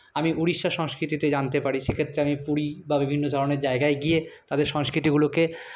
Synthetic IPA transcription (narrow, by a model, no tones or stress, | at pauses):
amiʔuɽiʃːaʃɔŋskɾit̪it̪ed͡ʑant̪epaɾiʃekʰet̪ːɾeamipuɽibabibʱinːod̪ʱɔɾoneɾd͡ʑaeɡaeɡiet̪ad̪eɾʃɔŋskɾit̪iɡuloke